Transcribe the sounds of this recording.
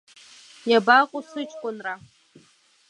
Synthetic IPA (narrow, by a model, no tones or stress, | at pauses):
jabakʷʼʊsɨt͡ʃʼkʷʼʊnra